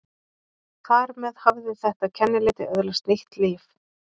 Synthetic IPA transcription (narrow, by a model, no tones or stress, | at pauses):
kʰvaɾmɛðhavðɪθɛht̪acʰɛnːɪlɪːt̪ɪœðlast̪nejht̪liːf